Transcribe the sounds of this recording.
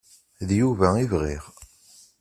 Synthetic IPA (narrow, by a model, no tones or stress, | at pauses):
ðjuvæivʁḭʁ